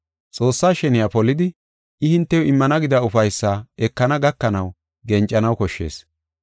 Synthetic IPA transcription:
t͡sʼo̞ːsːaːʃɛnɪjapɔlːɪd̪ɪ | ʔɪhɪnt̪ːɛjɔɪmːɐnɐɡɪd̪ɐʊfɐjsːaːɛkːɐnɐɡɐkːɐnɐw | ɡɛnt͡ʃʼːɐnɐwkɔʃːe̞̰ːs

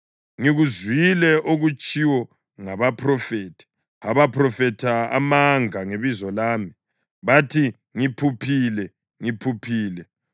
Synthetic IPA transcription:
ŋiɣuzwilɛʔoɣut͡ʃʼiwɔ | ŋaβapʰrɔfeːtʰi̥ | aβapʰrɔfɛtʰaa̰maŋaŋeβizɔlaːmi | βatʰi | ŋipʰupʰilɛ | ŋipʰupʰiːlɛ

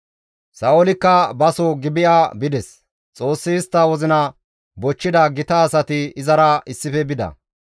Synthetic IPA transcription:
sɐʔɔlɪkːɐbɐsɔɡɪbɪjʔabɪd̪ɛs | t͡sʼo̞ːsːɪːst̪ːɐwɔzɪnɐ | bɔt͡ʃːɪd̪ɐɡɪt̪ɐːsɐt̪ɪɪzɐɾɐɪsːɪfɛbɪd̪ɐ̰

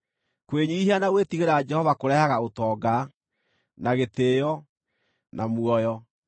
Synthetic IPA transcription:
kweɲiihianaɣwetiɣeɾad͡ʒɛhɔvakoɾɛhaɣaotɔːɡa | naɣeteːjɔ | nʔamwɔjɔ

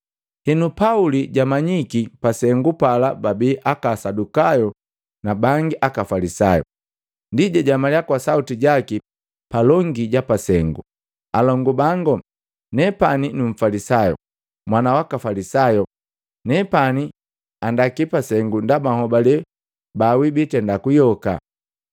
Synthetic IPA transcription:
hɛnupauliɟamaɲikipasɛŋɡupalababiːʔakasadukajɔ | nabaŋɡiʔakafalisajɔ̰ | ndiɟaɟamaljakwasautiɟaki | palɔŋɡiɟapasɛŋɡu | alɔŋɡubaŋɡɔ | nɛpaninuɱ̩falisajɔ̰ | mwanawakafalisajɔ | nɛpani | andakipasɛŋɡundabahɔbalɛ | bawibitɛndakujɔka̰

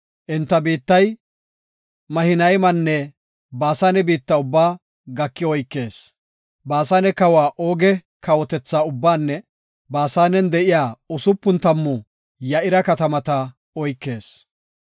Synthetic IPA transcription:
ʔɪnt̪ːɐbiːt̪ːɐj | mɐhɪnɐjmɐnːɛ | baːsaːnɛbiːt̪ːɐʊbːaː | ɡɐkːɪɔjkːe̞ːs | baːsaːnɛkɐwaːʔoːɡɛ | kɐwɔt̪ɛt͡sːaːʊbːaːnːɛ | baːsaːnɛnd̪ɛʔɪjaːʊsʊpːʊnt̪ɐmːʊ | jɐʔɪɾɐkɐt̪ɐmɐt̪ɐ | ɔjkːe̞ːs

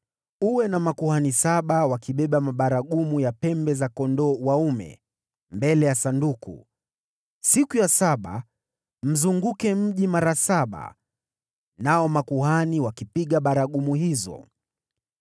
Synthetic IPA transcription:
uwɛnamakuhanisaɓawakiɓɛɓamaɓaɾaɠumujapɛmbɛzakɔndɔwaumɛ̰ | mbɛlɛjasandukṵ | sikujasaɓa̰ | m̩zuŋɡukɛm̩ʄimaɾasaɓa̰ | naɔmakuɦaniwakipiɠaɓaɾaɠumuɦizɔ̰

